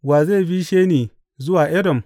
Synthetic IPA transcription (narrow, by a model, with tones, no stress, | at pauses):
waː˨ze˦˨ɸi˦ʃeː˦niː˨ | zʊ˦waː˨ʔɛ˦dɔ˨m